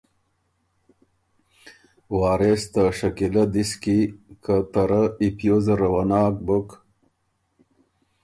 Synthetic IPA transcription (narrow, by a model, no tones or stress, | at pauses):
waːɾest̪aʂɐkilɐd̪iskikət̪ɐɾəipjozəɾɐwɐnaːk̚buk